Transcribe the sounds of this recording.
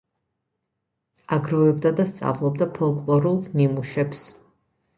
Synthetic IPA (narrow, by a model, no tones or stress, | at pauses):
aɡɾɔvɛbd̪ad̪ast̪sʼa̰vlˠɔb̚d̪apʰɔlˠkʼlˠɔɾulˠnimuʃɛps